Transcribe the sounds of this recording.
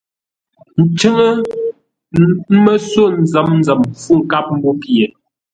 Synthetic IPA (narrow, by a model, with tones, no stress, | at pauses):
n̩˨t͡ʃɨ˦ŋə˦ | mə˦so˦˨n̩˨zə˨˦mn̩˦zə˨mfu˦˨ŋ̩˨ka˦p̚m̩˦bo˦pje˨